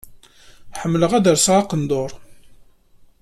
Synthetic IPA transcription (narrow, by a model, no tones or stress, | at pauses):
ħəmːləʁæd̪əɾsɑqənd̪oɾˤ